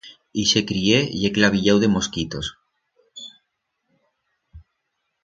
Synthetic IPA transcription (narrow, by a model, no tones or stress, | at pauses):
iʃekɾieḭeklaβ̞iʎawðemoskit̪os